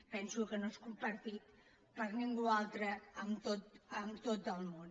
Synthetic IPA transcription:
pɛnsukənoskumpəɾt̪it̪ | pəɾniŋɡualˠt̪ɾəːmt̪ot̪əmt̪ot̪̚əlˠmon

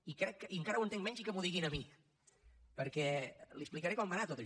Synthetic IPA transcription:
ikɾɛkːəiəŋkaɾəwənt̪eŋmɛɲzikəmuðiɣinəmi | pəɾkɛliəsplikəɾekɔmːanat̪ot̪ə

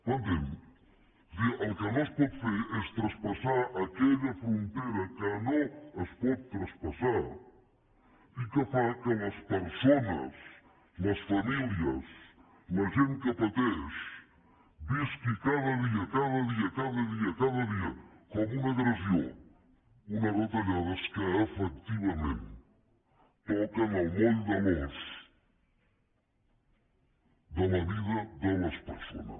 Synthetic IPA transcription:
and̪em | d̪iʔɐlkɐnõspɔðfeɾɛst̪ɾɐspasaɾɐkeʎɐfɾũnt̪eɾɐkɐnõɐspɔð̚t̪ːɾɐspasaɾ | ikəfakonɐspəɾsonɐ̰s | nɐsfamiljɐ̰s | nɐʒẽnt̪̚kɐpɐt̪ɛs | biskɨkaðɐðiɐkaðɐðiɐkaðɐðiɐkaðɐðiɐkɔmunɐɣɾɐzjo̰ | unɐβɐt̪ɐʎaðɐskeefɛk̚t̪iβɐmḛ̃nt̪ | powkɐnawmold̪ɐlos | ðɐlɐβiðɐðelɐspeɾso̰nɐ̰s

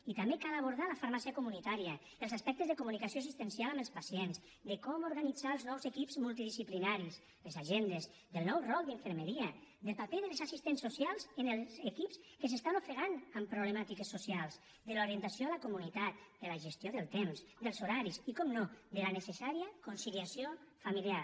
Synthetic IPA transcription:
it̪ambekalaβoɾðalafaɾmasiakumunit̪aɾiə | əlˠzaspɛk̚t̪əzðekumunikasjoes̬ist̪ensjalaməlˠspasjenz | d̪əkɔmoɾɣanid͡zaːlˠznɔwzekipz̥mulˠt̪̬iðisiplinaɾiz | lezaʒend̪ez | ðəlˠnɔwrɔlˠd̪iɱfəɾmeɾiəd̪əlˠpapeðəlzasist̪ensːusjalˠzenelzekipskəsest̪anofɾeɣanampɾouβlemat̪ikəsːusjalˠz | d̪əloɾiənt̪asjoalakumunit̪at̪̚d̪əlaʒest̪joðəlˠt̪emzd̪əlˠzoɾaɾisikɔmnod̪əlanəsesaɾiəkunsiliasjofamiljaɾ

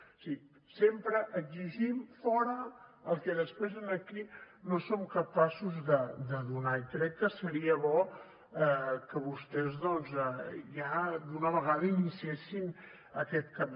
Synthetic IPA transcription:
si | sempɾəʔəɡziʒimfɔɾəəlˠkɛðəspɾezənəki | nosomkəpasuzðəd̪əðunaikɾɛkːəsəɾiəβɔ | ɛkəβust̪ɛzðɔnzɛʒad̪unəβəɣaðəinisiesin | əkɛt̪̚kəm

